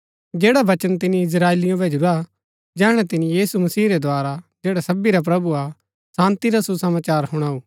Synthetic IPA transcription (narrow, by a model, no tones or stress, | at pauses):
d͡ʒeːɽaʋɐt͡ʃənt̪̬ɪnĩɪs̬ɾaːelɪjõbeːd͡ʒɾua | d͡ʒɛːɽ̃ɛt̪ɪnĩjiːsumɐsiːɾed̪ʱwaːɾad͡ʒeːɽasɐbiɾap̬ɾɐbua | sãːnt̪iɾasusɐmaːt͡ʃaːɾɦʊɽ̃aːuː